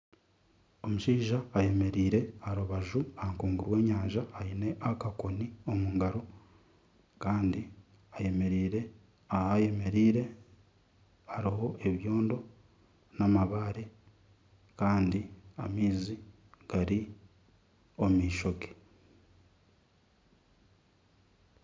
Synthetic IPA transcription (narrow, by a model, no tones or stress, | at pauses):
o̞muʃiːʒaːje̞me̞ɾiːɾe̞aɾuβaʒuahaŋkuːŋɡuɾwe̞ːɲaːɲʒaːine̞ʔakako̞nio̞muŋɡaɾo | kaːndi | aje̞me̞ɾiːɾe̞ | ahaje̞me̞ɾiːɾe̞ | aɾiɦo̞ʔe̞βjo̞ːndo̞ | namaβaːɾe | kaːndia̰miːzi | ɡ̥aɾi | o̞miːʃo̞ke̥